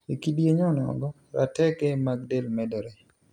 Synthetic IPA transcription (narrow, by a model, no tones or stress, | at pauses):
ekidjeɲɔnɔ̰ɡɔ | ɾa̰tɛkɛmaɡdelmɛdɔɾɛ